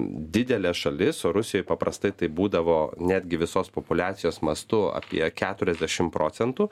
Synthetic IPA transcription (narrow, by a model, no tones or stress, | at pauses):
d̪ʲɪd̪ʲɛlʲɛʃɐlʲɪsoːɾʊsʲɪjojɪpɐpɾɐst̪ɐɪt̪ɐɪbuːd̪ɐʋoːnʲæːd̪ʲɡʲɪʋʲɪsoːspopʊlʲæːt̪sʲɪjoːsmɐst̪ʊɐ̰pʲḭɛkʲæːt̪ʊɾʲɛzʲd̪ʲæʃʲɪmpɾoːsʲɛnt̪uː